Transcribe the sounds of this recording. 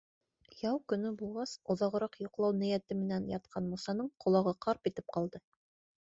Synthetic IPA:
jɑwkɵ̆nɵbulˠʁɑsŏðɑʁɤ̆ɾɑqjŏqlˠɑwnɘ̆jæt̪ɘmɘ̆nænjɑt̪̚qʰɑnmusɑnɤɴqʰŏlˠɑʁɤqʰɑɾpit̪ɘp̚qɑlˠd̪ɤ

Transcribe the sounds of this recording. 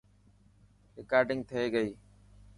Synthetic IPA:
ɾɪkaːɾɖɪ̃ŋɡ̚t̪ʰəeːɡəiː

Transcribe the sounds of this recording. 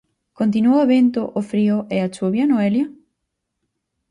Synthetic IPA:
kont̪̬inuaβent̪ʊʔofɾiʊʔɛat͡ʃuβjanoeljɐ

